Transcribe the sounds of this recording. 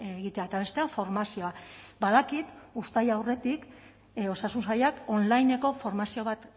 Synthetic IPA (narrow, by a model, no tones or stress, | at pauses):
ɣit̪e̞aet̪aβe̞st̪e̞afo̞ɾmasio̞abaðakit̪ust̪ajawre̞t̪ik | o̞sasunsajako̞nlajne̞ko̞fo̞ɾmasio̞β̞at̪